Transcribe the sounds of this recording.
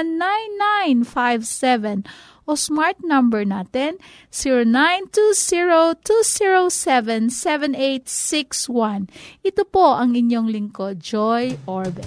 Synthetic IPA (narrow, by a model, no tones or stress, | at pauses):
nːajnːajnfajvsɛvɛn | ʔosmaɹt̪̚nɐmbɛɹnaːt̪ɛn | siɹonajnt̪usiɹot̪usiɹosɛvɛnsɛvɛnejt̪̚sɪkswãnʔɪt̪opoʔɐŋɪɲjoŋlɪŋkod͡ʒojʔoɹv